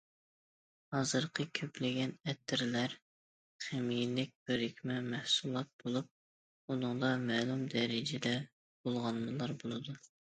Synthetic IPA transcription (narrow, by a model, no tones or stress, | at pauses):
hɑzɨɾqʰəkʲʰøpʰlɪɡʲɛnɛt̪ʰːɪɾlæɾ | χemijlːɪk̚ʲbøɾikʲmɛmɛhsulˠɑt̪̚bolˠup̚ | unɨŋd̪ɑmɛlˠumd̪ɛɾɪd͡ʒɪd̪ɛ | bolˠʁɑnmɨlˠɑɾbolˠɨd̪u